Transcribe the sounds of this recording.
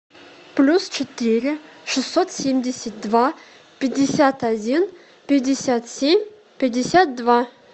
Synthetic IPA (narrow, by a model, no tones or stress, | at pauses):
plʲust͡ɕɪt̪iɾʲɪʂɨsːot̪sʲemʲdʲɪsʲət̪̚d̪va | pʲɪdʲːɪsʲat̪ɐdʲin | pʲɪdʲɪsʲat̪sʲemʲ | pʲɪdʲːɪsʲat̪̚d̪va